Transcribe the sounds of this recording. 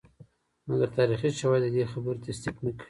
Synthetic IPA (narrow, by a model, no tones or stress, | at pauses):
maɡaɾt̪ɑɾixiʃawajd̪əd̪exabəɾt̪asd̪iknəkɽi